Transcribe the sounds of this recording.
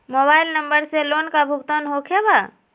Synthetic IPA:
moːbaːɪlnə̃mbəɾseloːnkabʱʊɡt̪ənɦokʰeba

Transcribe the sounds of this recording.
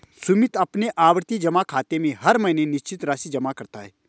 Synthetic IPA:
sʊmɪt̪ɐpneʔaːʋɾt̪id͡ʒɐmakʰaːt̪emẽɦɐɾmɐɪnenɪʃt͡ʃɪt̪ɾaːsid͡ʒɐmakɐɾt̪aɦɛː

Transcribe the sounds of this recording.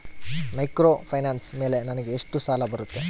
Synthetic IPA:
mɐjkɾoːpʰɐjnaːnsme̞ːle̞nɐnɐɡeːʂʈusaːlɐbɐɾut̪ːe̞

